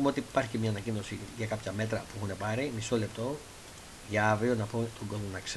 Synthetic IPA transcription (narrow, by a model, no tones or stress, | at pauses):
umeo̞t̪iːpɐɾçi̥cemɲɐːnɐcino̞siʝɐkɐpçɐme̞t̪ɾɐpuixune̞pɐɾimiso̞le̞p̚t̪o̞ | ʝɐɐvɾio̞nɐpot̪oŋɡo̞zmonɐks